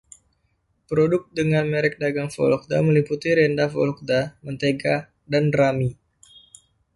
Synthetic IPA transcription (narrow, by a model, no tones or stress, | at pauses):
pɾodʊk̚dəŋanmeɾɛk̚daɡaŋfɔ̰lɔk̚daməliput̪iɾɛndafɔ̰lɔk̚damənt̪eɡa | danrami